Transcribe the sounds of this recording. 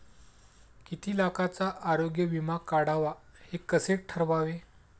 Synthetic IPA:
kit̪ʰiːlakat͡saʔaɾoɡjəʋimakaɽaʋahekəseʈ̚ʈʰəɾʋaʋe

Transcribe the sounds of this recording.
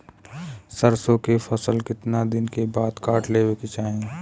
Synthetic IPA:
səɾsõkefʰəsəlkɪt̪nad̪ɪnkebaːd̪kaːʈleːweket͡ʃaːɦẽː

